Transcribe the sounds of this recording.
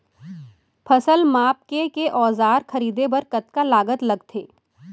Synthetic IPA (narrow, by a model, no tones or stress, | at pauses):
pʰɐsəlmaːp̚kekeʔɔːzaːɾxʰɐɾiːd̪ebɐɾkɐt̪kalaːɡət̪lɐɡt̪ʰeː